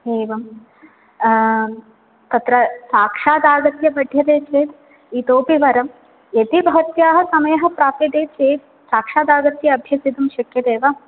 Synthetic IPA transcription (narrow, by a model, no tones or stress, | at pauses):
eːʋɐm | t̪ɐt̪ɾɐsaːkʂaːd̪aːɡɐt̪jɐbɐɖʱjɐd̪eːt͡ʃeːt̪ | iːt̪oːpiʋɐɾɐm | jet̪ibʱɐɦɐt̪jaːɦɐ̆sɐmɐjɐɦɐ̆pɾaːpjɐd̪eːt͡ʃeːt̪̚ | saːkʂaːd̪aːɡɐt̪jɐɐbʱjɐsid̪umʃɐkjɐd̪eːʋɐ